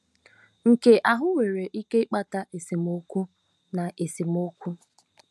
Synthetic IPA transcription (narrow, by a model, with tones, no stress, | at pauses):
ŋ̩˨ke˨ʔa˨ɦʊ˦we˨ɾe˨ʔi˦ke˦ɪ˦k͡pa˦ta˦ʔe˨si˨m˨o˦kʷu˦ | na˨ʔe˨si˨mo˦kʷu˦